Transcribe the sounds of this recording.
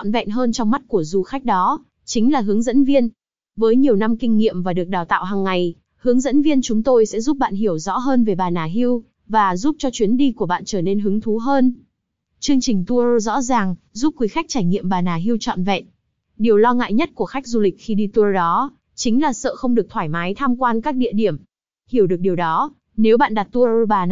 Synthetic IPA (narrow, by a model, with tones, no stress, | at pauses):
ɔ̰˧˨nvɛ̰˧˨nɦəː˧nt͡ɕɔ˧wŋ͡mma˦˥t̚ku˧˩əzu˧xa˦˥jk̟̚ɗɔ˨˦ | t͡ɕï˨˦ŋ̟laː˨˩ɦɨ˨˦əŋzə̰˧˥nvi˧ən | vəː˨˦jɲi˨˩əwna˧mkï˧ŋ̟ŋḭ˧˨əmvaː˨˩ɗɨ˨˩ək̚ɗaː˨˩wt̪a̰ː˧˨wɦaː˨˩ŋːa˨˩j | hɨ˨˦əŋzə̰˧˥nvi˧ənt͡ɕʊ˨˦ŋ͡mt̪o˧jsɛ̰˧˥zu˦˥p̚ɓa̰ː˧˨nɦi˧˩əwzɔ̰˧˥ɦəː˧nve˨˩ɓaː˨˩naː˨˩ɦi˧əw | vaː˨˩zu˦˥p̚t͡ɕɔ˧t͡ɕwi˨˦ənɗi˧ku˧˩əɓa̰ː˧˨nt͡ɕəː˧˩ne˧nɦɨ˨˦əŋt̪ʰu˨˦ɦəː˧n | t͡ɕɨ˧əŋt͡ɕï˨˩ŋ̟t̪u˧o˧zɔ̰˧˥zaː˨˩ŋ | zu˦˥p̚kːwi˨˦xa˦˥jk̚t͡ɕaː˧˩jŋḭ˧˨əmɓaː˨˩naː˨˩ɦi˧əwt͡ɕɔ̰˧˨nvɛ̰˧˨n | ɗi˨˩əwlɔ˧ŋa̰ː˧˨jɲə˦˥t̚ku˧˩əxa˦˥jk̚zu˧lï˨˩k̚xi˧ɗi˧t̪u˧ɗɔ˨˦ | t͡ɕï˨˦ŋ̟laː˨˩sə̰ː˧˨xə˧wŋ͡mɗɨ˨˩ək̚t̪ʰwaː˧˩jmaː˨˦jt̪ʰaː˧mkwaː˧nkaː˦˥k̚ɗḭ˧˨əɗi˧˩əm | hi˧˩əwɗɨ˨˩ək̚ɗi˨˩əwɗɔ˨˦ | ne˨˦wɓa̰ː˧˨nɗa˨˩t̚t̪u˧o˧ɓaː˨˩˨